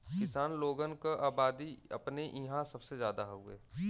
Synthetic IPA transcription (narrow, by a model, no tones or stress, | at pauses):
kɪsaːnloːɡənkaʔaːbaːd̪iɐ̰pneʔiɦãsəbsezjaːd̪aɦoːḛː